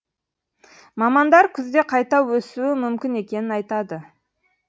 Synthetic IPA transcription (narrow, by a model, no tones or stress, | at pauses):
mɑmɑnd̪ɑɾkʲʰʏzd̪e̞qʰɑjt̪ɑwɵsuwɪmʏmkʲɪne̞kʲe̞nɪnɑjt̪ɑd̪ə